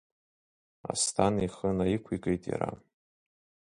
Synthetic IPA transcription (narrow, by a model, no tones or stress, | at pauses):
a̰stʰaniχənaikʷʰikʼejtʼja̰ɾa